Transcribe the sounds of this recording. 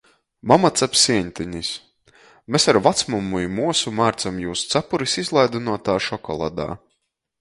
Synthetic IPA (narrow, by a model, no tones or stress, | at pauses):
mamat̪sapsiɛɲʲt̪ʲiɲis | mesaɾvat̪smumujmuɔsumaːɾt̪samjuːsu̥t̪sapuɾisizlˠajd̪inuɔt̪aːʃɔkɔ̰lˠa̰d̪a̰ː